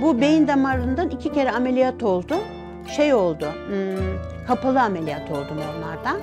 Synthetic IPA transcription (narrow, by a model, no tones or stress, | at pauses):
bube̞jind̪amaɾlˠɯnd̪anicʰicʰe̞ɾɛame̞lʲijat̪ʰo̞lˠd̪ʊ | ʃejo̞lˠd̪ʊ | kʰapalˠɯame̞lʲijat̪ʰo̞lˠd̪umonˠaɾd̪an